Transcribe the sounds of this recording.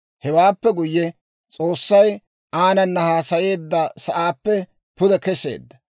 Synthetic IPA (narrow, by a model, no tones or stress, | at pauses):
hɛwaːpːɛɡʊjːɛ | t͡sʼo̞ːsːɐj | aːnɐnːɐhaːsɐje̞ːd̪ːɐsɐʔaːpːɛ | pʊd̪ɛkɛse̞̰ːd̪ːɐ